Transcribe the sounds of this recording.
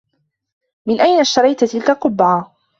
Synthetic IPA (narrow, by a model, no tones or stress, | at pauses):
mɪnʔajnaʃt̪ɑɾɑjt̪t̪ɪlkaqʊbʕaː